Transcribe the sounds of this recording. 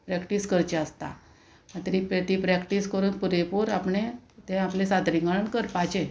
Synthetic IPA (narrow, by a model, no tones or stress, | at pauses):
pɾɛkʈiːskəɾt͡ɕeəst̪a̰ | at̪ɾipɾət̪ipɾɛkʈiskəɾuːnpuɾepuːɾapɳẽt̪ẽaplesat̪ɾiŋɡaɭəɳkəɾpat͡ɕe